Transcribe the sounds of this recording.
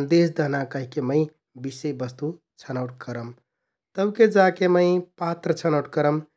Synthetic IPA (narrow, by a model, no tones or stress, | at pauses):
nd̪esd̪ʱəɦnakəɦikeməɪ | bisejbəst̪u | t͡ʃʰənəwʈ̚kəɾəm | t̪əbked͡ʒakeməɪpat̪ɾət͡ʃʰənəwʈkəɾəm